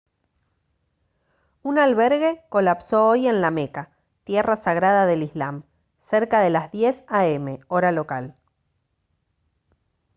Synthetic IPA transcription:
unalβeɾɣe̞ko̞lapsooje̞nlameka | t̪jerasaɣɾaðaðe̞lizlam | seɾkaðe̞lazðjesaeme̞o̞ɾalo̞kal

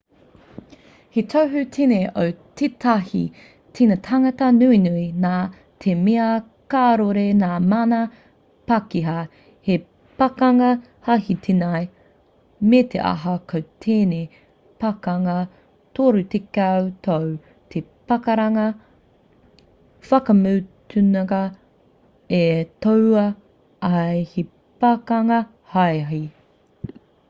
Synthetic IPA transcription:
hetʰowɦʉtʰeneʔowtʰetʰɐhḭ | tʰinɐtʰɐŋɐtɐnuinuinaː | tʰemeɐ | kaɾoɾenaːmanɐ | pɐkiɦɐ | he | pɐkɐŋɐ | hɐhit̪ʰenaj | metʰḛʔɐ̰ɦɐkʰowtʰeːne | pɐkɐŋɐ | t̪ʰoɾut̪ekawt̪ʰow | t̪ʰepɐkɐɾɐŋɐ | fɐkɐmut̪ʰʉnɐɡɐ | etowɐ | ɐjhi | pɐkɐŋɐ | hajɦi

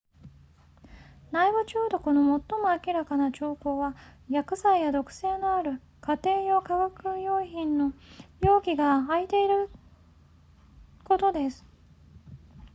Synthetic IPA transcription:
naibɯ̟t͡ɕoːd̪o̞ko̞no̞mo̞t̪ːo̞moakʲiɾakanat͡ɕo̞ːko̞ːβajakɯ̟saijad̪o̞kɯ̟̥se̞ːno̞aɾɯ̟ | kat̪e̞ːjo̞kaɡakɯ̟jo̞ːçĩnːo̞jo̞ːɡʲiɡaːit̪e̞iɾɯ̟ | ko̞t̪o̞d̪e̞sɨ̥

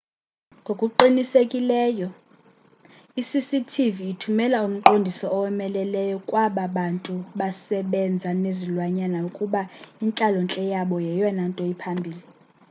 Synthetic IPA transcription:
ŋɡʱokʼuǃinisekʼilɛːjɔ | isisitʰiviːtʰumɛlaum̩ǃondʱisɔɔwɛmɛlɛlɛjɔkʼwaɓaɓantʼuɓasɛɓɛnd͡zʱanezilwaɲanaukʼuɓaint͡ɬʼalɔnt͡ɬʼɛjaɓɔjɛjɔnantʼɔipʰambʱiːli

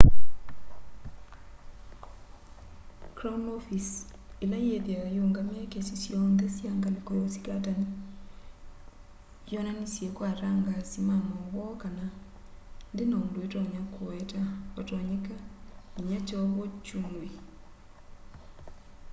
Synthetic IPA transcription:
kɾɔunɔfis | elajeðjajoːŋɡamakesisjɔndɛsjaŋɡanekoɾosi̥katani | jɔnanisjɛkwaɾaŋɡasimanɔwɔkana | ndenaondoetɔɲakoɛtaɔtɔɲekaiɲat͡ʃɔβɔt͡ʃumui

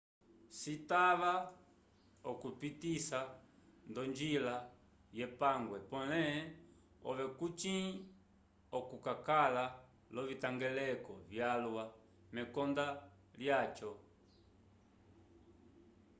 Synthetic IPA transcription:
sitaβa | ɔkupitisandɔɲd͡ʒila | jɛpaŋɡwɛpɔ̃lɛɛ | ɔ̰ʋɛkut͡ʃĩ | ɔkukakala | lɔβitaŋɡɛlɛkɔ̰vjalwa | mɛkɔnda | ljat͡ʃɔ

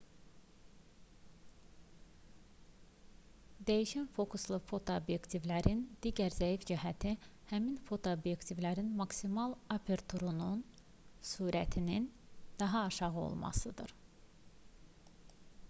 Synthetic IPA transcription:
d̪æjiʃænfo̞kʰuslˠɯfo̞t̪ʰoobje̞kt̪ʰivlæɾind̪̥iːɟæɾzæifd͡ʒiɦæt̪ʰihæminfo̞t̪ʰoobjekt̪ʰivlæɾinmɑksimɑlˠɑpʰeɾt̪ʰuɾunun | suːɾæt̪ʰinin | d̪̥ɑɦɑːʃɑʁɯo̰lˠmɑ̰sɯd̪ɯ̰ɾ

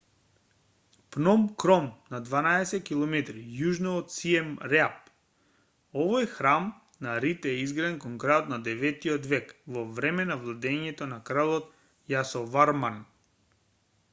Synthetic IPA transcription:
pnɔmkɾɔmnad̪vanaɛsɛt̪̚kilˠɔmɛt̪ɾijuʒnɔːt̪siɛmɾɛap̚ | ɔvojxɾam | naɾit̪ɛɛizɡɾaɛnkɔnkɾajot̪nad̪ɛvɛt̪iɔt̪vɛkvɔvɾɛmɛnavlˠad̪ɛɲɛt̪ɔnakɾalˠɔt̪ | jasɔvaɾman

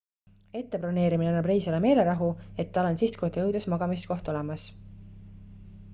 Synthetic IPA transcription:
e̞t̪ːe̞prone̞ːɾimineɑnːɑbrejːsɑleme̞ːle̞ɾɑɦue̞t̪ːɑlensist̪̚kot̪eɤwd̪usmɑɡ̥ɑmist̪̚ko̞ht̪o̞lemɑs

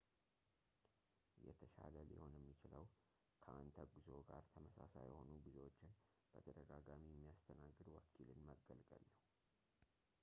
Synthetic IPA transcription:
jɛ̰t̪ʰəʃaləlɪho̞njɛmːit͡ʃɪləw | kʰəʔant̪ʰəɡuzo̞ɡaɾt̪ʰəməsasajɛho̞nubɨzewot͡ʃːɪn | b̥ət̪ʰəd̪əɡaɡamijɛmːijast̪ʰənaɡːɨd̪wɔkʰːilɨnməɡːəlɡʼəlːəhu

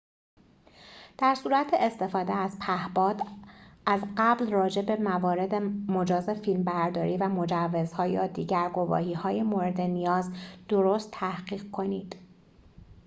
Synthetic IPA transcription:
d̪̥æɾsuːɾæt̪ʰeest̪e̞fɒːd̪eæz̥pʰæhbɒːd̪ʔæzɢæblrɒːd͡ʒe̞be̞mævɒːɾe̞d̪emo̞d͡ʒɒːzefilmbæɾd̪ɒːɾiːvæmo̞d͡ʒævːe̞zhɒːjɒːd̪iːɟæɾɡo̞vɒ̰ːɦiːhɒːjemoːɾe̞d̪e̞nijɒːzd̪̥o̞ɾoːst̪ʰːæhɢiːɣ̚kʰo̞niːd̪̥

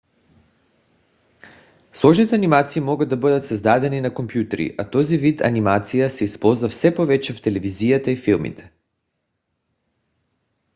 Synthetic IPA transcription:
slˠɔʒnit̪ɛanimat̪siːmɔɡad̪abəd̪at̪sazd̪ad̪ɛninakompjut̪ɛɾḭʔat̪ɔzivit̪a̰nimat̪sijasɛispɔlˠzvafsɛpovɛt͡ʃɛft̪ɛlɛvizijat̪aifilˠmḭt̪ʰɛ̥

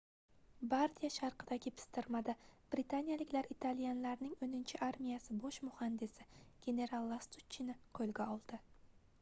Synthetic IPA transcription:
baɾt̪ʰʲijaʃaɾqɨd̪aɡʲɪpʰɪ̥st̪ɪɾmad̪ab̥ɾɪt̪ʰanjalɪkʲlaɾit̪ʰalijanlaɾnɪŋɵnɪnt͡ʃʰɪʔaɾmʲijasɪboʃmʊhand̪ɪsɪɡ̥ʲe̞ne̞ɾalˠːast̪ut͡ʃʰːɪnɪqʰɵlɡʲaɒlˠd̪̥ɪ

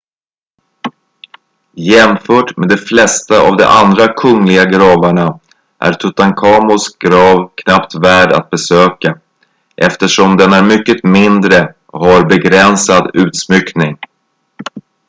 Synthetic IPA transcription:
jɛmfœːʈmed̪ɛflɛst̪aa̰vd̪ɛ̰ʔand̪ɾakʰɵŋlɪɡaɡɾɑːvaɳa | ʔæ̰ɾt̪ʰɵt̪aŋkʰɑːmʊsɡ̥ɾɑːvkʰnapt̪væːɖa̰t̪̚bɛsøːka | ʔɛft̪əʂɔmd̪ɛnæɾmʏkːət̪mɪnd̪ɾə | ɔhaɾbɛɡɾɛnsad̪ʉ̟ːt̪smʏknɪŋ

